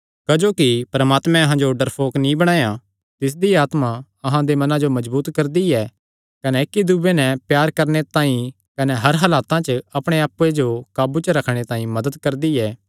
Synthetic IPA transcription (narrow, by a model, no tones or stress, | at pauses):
kɐd͡ʒoːkipɾɐmaːt̪mɛ̃ɐɦãd͡ʒoɖɐɾpʰoːknĩbɐɽ̃aːja | t̪ɪs̬d̪iaːt̪ma | ɐɦãd̪emɐnãd͡ʒomɐzbuːt̪kɐɾd̪iɛ | kɐnɛɪkːid̪ubenɛ̃pjaːɾkɐɾnet̪aːĩ | kɐnɛɦɐɾɦɐlaːt̪ãt͡ʃəɐpɽ̃eaːpued͡ʒokaːbut͡ʃəɾɐkʰɽ̃et̪aːĩmɐd̪əd̪kɐɾd̪iɛː